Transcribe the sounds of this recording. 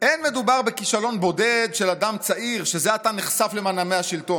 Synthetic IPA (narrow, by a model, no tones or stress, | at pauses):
ʔenme̞dubaʁbekiʃalo̞nbo̞dedʃeladamt͡saʔiʁʃe̞zeataneχsafle̞maname̞jhaʃilto̞